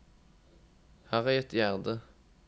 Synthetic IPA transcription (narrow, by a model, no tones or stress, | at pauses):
hɑːʁæɪɛt̪jæʁd̪ə